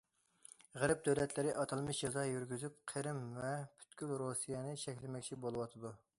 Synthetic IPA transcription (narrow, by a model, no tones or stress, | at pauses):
ʁəɾɛp̚d̪øwlɛt̪ʰlɪɾɪʔɑt̪ʰɑlˠmɨʃd͡ʒɑzɑjyɾɡʲyzyp̚qʰəɾɪmvɛpʰy̥t̪kʲylɾosijɛnɪʃɛkʲlɪmɛkʲt͡ʃʰibolˠɨwɑt̪ʰɨd̪u